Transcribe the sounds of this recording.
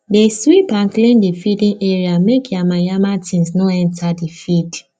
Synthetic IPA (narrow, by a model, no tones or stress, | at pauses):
deswipãnklẽndifidĩnʔeɹiamekʰjamajamatʰĩnsnoɛ̃ntadifid